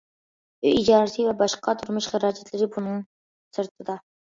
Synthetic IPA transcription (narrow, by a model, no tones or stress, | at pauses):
ṵid͡ʒɑːɾsʰivɛbɑʃqɑt̪ʰʊɾmʊʃχəɾɑːd͡ʒæt̪lɪɾɪbunɨŋ | sɨɾt̪ʰɨd̪ɑ